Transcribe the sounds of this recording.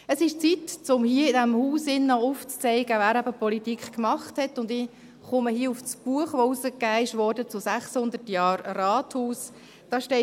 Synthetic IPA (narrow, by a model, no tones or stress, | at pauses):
əsɪʃt͡sitt͡sʊmhiːəɪdæmhuːsɪnːɑuft͡st͡sɛɪɡ̥əʋæːɾæbəpɔlitikχkmɑχthɛtʊndɪ | χʊməhiːəufsb̥uəχʋousəkːæːɪʃʋɔːɾdət͡sʊsæχshʊnd̪əɾtjɑːrrɑːthuːs | d̥ɑʃtɛ